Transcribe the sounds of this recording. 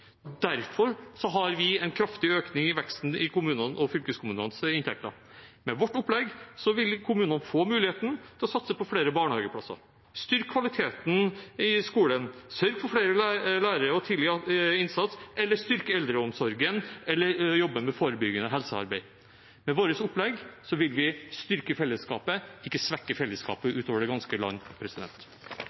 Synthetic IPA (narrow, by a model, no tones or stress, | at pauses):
d̪æɾfɔɾsɔɦɑɾʋɪɛɪnkʰɾɑft̪ɪøːknɪŋɪʋɛkst̪n̩ɪkʊmʉːnənʔɔfʏlkəskʰʊmʉːnənsɪnt̪ʰɛ̰k̚t̪ɑ̰ | mɛʋɔʈːʊpːlɛɡsɔʋɪlkʰʊmʉːnənfoːmʉːlɪheːt̪n̩t̪ʰɪlɔsɑt̪səpʰɔfɽeːɾəbɑːɳhɑːɡəpʰɽɑ̰sɑ̰ɾ | st̪ʏɾkkːʰʋɑlɪt̪ʰeːt̪n̩ɪskuːlənsœɾɡfɔɾfɽeːɾəælæːɾəɾəɔt̪ʰiːd̪lɪɪnsɑt̪sɛlːəʂt̪ʏɾkəɛld̪ɾəɔmsɔɾɡənɛlːəjɔbːəmɛfoːɾəbʏɡənɔɦɛlsəɑ̰ɾbæɪ | mɛʋoːɾəsʊplɛɡsɔʋɪlʋɪst̪ʏɾkəfɛlːəskɑ̰ːpəɪkːəsʋɛkːəfɛlːəskɑ̰ːpəʔʉːt̪oːʋəɖɛɡɑnskəlɑ̰nːpʰɾɛsɪd̪ɛ̰nt̪